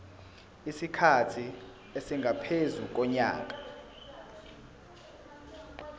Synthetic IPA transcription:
isikʰatʰi | esiŋɡʱapʰezuk̬ɔɲa̰ːk̬ʼḁ

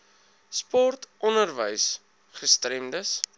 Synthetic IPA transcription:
spɔrtɔnərvəjs | χəstɾɛmdəs

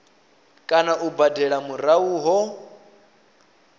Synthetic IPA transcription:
kʼanaʔubadɛɺamuɾauːɦɔ

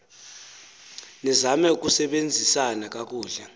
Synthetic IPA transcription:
nizamɛuk̬ʼusɛɓend͡zʱisanak̬ʼak̬ʼuːɮɛ

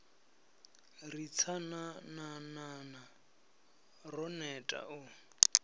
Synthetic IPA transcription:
rit͡sʰanananana | rɔnɛtʼa̰ʔʊ

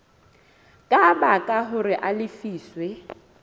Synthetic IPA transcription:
kʼabakʼaɦʊrɪʔalɪfiːswɛ

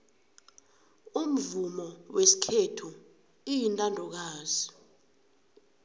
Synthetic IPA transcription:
um̩vumɔwesi̥kʰetʰu | ijintʼandʱɔk̬aːzi

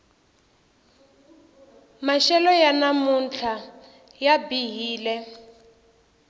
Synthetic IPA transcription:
maʃɛlɔjanamunt͡ɬʰa | jabiɦiːlɛ

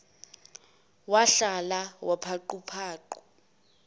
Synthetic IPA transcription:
waɬalawʔapʰaǃupʰaːǃu

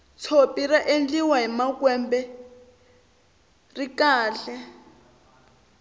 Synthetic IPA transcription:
t͡sʰopiɾaʔend͡ɮiwaɦimakwɛmbɛ | rikaːɬɛ

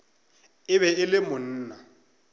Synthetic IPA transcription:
ɪβɛɪlɪmʊn̩ːna

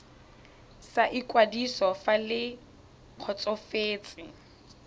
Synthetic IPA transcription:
saʔikʼwadisɔfalɪ | q͡χʰɔt͡sʼɔfeːt͡sʼɪ

